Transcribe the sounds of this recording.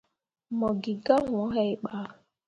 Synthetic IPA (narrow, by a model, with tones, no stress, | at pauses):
mɔ˨ɡɪ˨ɡa˦ŋʊ˨ɔ˦ɦɛ˦ɪ˦k͡pa˦